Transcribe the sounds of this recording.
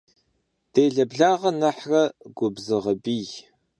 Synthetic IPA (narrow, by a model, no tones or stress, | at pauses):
d̥eːɮɐbɮaːʁɐnɐħrɐɡʷʊbzɨʁəbiːj